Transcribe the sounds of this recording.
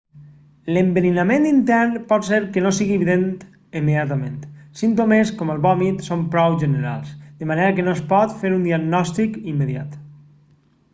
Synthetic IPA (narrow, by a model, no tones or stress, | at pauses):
lembeninamẽnt̪int̪ɛɾnpɔt̪seɾkenosiɣieβiðent̪ | əmːeðjat̪amẽnt̪sint̪omeskoməlˠβɔmit̪sompɾɔwʒeneɾa̰lˠsd̪əmaneɾakenoespɔt̪feɾund̪iaɡnɔst̪ikimːeðjat̪